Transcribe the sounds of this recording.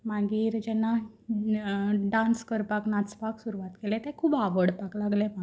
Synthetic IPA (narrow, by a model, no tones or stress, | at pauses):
maɡiːɾd͡ʑɛnːa | ɖãnskəɾpaknat͡spaksuɾuʋat̪kelɛ̃t̪ɛ̃kʰuːbaʋəɽpaklaɡlɛma